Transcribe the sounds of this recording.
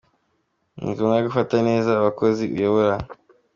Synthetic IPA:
nɡonaiɡufatane̞ːzaːβako̞ziṵjo̞βoɾa

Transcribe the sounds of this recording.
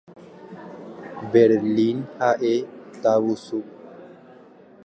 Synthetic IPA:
beɾlinhaʔet̪awusu

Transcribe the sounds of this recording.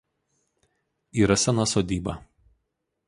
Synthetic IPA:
iːɾɐsʲɛnɐsoːd̪ʲiːbɐˑ

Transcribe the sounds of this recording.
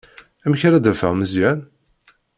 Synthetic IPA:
æməçɾæd̪æfə̰ʁməzjæn

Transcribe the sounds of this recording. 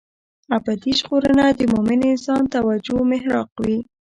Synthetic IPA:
abad̪iʃɣoɾənad̪əmomɪnɪnsɑnt̪awad͡ʒomɪhɾɑqwi

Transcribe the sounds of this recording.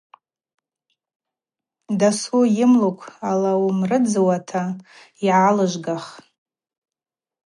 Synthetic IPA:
dasujɪmlokʷʰalaumrɨd͡zɨwatʰa | iʕalɨʒʷɡaχ

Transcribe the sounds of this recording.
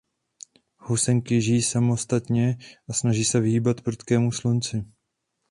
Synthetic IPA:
husɛŋkɪʒɪiːsamo̞st̪at̪ɲɛʔasnaʒiːsɛvɪɦiːbat̪pɾut̪kɛːmuslunt͡sɪ

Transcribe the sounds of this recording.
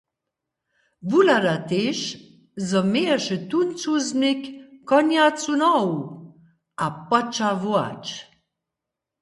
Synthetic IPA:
vulaɾat̪eʃ | zəmeəʃət̪unt͡suznikːɔnjat͡sunaw | apɔt͡ʃavua̰t͡ʃ

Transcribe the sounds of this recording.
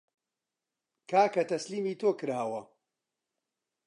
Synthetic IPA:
kʰaːkɐt̪ɐsliːmiːt̪ʰoːkɨɾaːwɐ

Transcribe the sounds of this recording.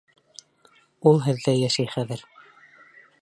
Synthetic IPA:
ulˠɦɘ̆ðːæjæʃæjχæðɘɾ

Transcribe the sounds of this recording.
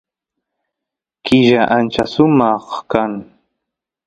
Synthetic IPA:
kɪʒaʔant͡ʃasʊmɑχkaŋ

